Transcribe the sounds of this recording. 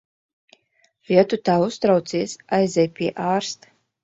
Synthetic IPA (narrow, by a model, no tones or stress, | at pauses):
viɛt̪ut̪aːust̪ɾawt̪siɛsajzʲɛjpʲiɛʔaːɾst̪